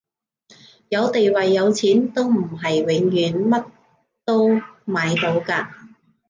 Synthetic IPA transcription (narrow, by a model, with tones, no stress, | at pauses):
jɐ˨˧wt̪e˨jwɐ˨jːɐ˨˧wt͡sʰiː˨˥nt̪o˥wm̩˨˩ɦɐ˨jwɪ˨˥ŋjyː˨˥nmɐ˥t̚ | t̪o˥wmaː˨˧jt̪o˨˥wkaː˧